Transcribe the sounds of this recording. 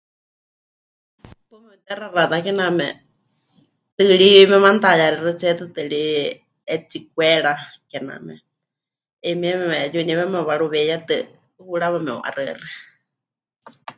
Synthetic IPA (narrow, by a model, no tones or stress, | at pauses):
t̪umɛut̪ɛrarat̪akɛnamɛ̰ | t̪ɨɺimɛmant̪ajaɾɛrɨt͡sɛt̪ɨt̪ɨɺi | ɛt͡sik̚wɛɺakɛna̰mɛ̰ | imɛmɛmɛjuniβɛmɛβaɺuβɛjat̪ɨ | huɺaβɛmɛo̰ʔa̰rɨ̰rɨ